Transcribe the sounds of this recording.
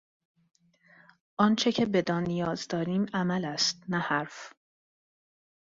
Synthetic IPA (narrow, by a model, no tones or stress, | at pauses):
ʔɒːnt͡ʃʰe̞cʰebe̞d̪ɒːnːijɒːzd̪ɒːɾiːmæmælæst̪̚næhæɾf